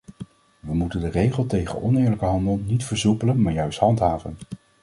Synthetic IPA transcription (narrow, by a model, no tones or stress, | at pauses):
ʋəmutəndərejχəlˠtejχə̰nʔɔnɪːɹləkəɦɑndəlˠnitfəɹzupələnmaːɹjœɥstɦɑntɦaːvə̰n